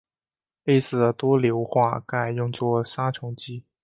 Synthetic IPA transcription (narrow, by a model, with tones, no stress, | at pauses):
le˥˧ɪsɹ̩˥˩d̪ə˩t̪wɔ˥ljo˧˥ʊxwa̰˥˧ka˥˧ɪjʊ˥˧ŋt͡swɔ˥˩ʂa˥t͡ɕʰjʊ˧˥ŋt͡ɕi˥